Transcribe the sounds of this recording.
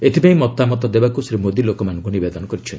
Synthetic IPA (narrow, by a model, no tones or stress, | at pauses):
et̪ʰipãĩmɔt̪ːamɔt̪̬ɔd̪ebakusɾimod̪ilokɔmanɔ̃ŋkunibed̪ɔnɔkɔɾit͡ʃʰɔni